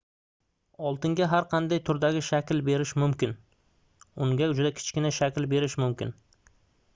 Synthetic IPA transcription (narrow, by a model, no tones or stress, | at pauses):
ɒlˠt̪ʰɪŋɡʲaɦaɾqʰɑnd̪ajt̪ʰʊɾd̪aɡʲɪʃakʲlbe̞ɾɪʃmʊmkʲɪn | ʊŋɡʲad͡ʒʊd̪akʲʰɪ̥t͡ʃkʲɪnaʃakʲlbe̞ɾɪʃmʊmkʲɪ̰n